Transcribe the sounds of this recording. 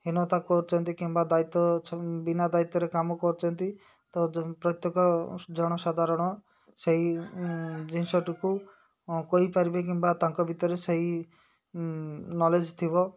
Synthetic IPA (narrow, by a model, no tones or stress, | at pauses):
ɦinɔt̪akɔɾut͡ʃʰɔnt̪ikimbad̪ait̪ːɔbinad̪ait̪ːɔɾekamɔkɔɾut͡ʃʰɔnt̪i | t̪ɔpɾɔt̪jɔkɔd͡ʒɔɽ̃ɔsad̪ʱaɾɔɽ̃ɔ | seɦi | d͡ʒinsɔʈuku | koɦipaɾibek̬imbat̪ãŋkɔbʱit̪ɔɾeseɦi | nɔled͡ʒt̪ʰibɔ